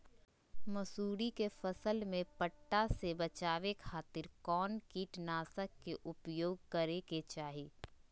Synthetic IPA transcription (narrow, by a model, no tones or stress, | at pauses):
mɐsuːɾikefəsəlmẽpəʈːasebət͡ʃaːʋekʰaːt̪ɪɾkɔːnkiːʈnaːsəkːeʔʊpjoːɡ̚kəɾeket͡ʃaːɦiː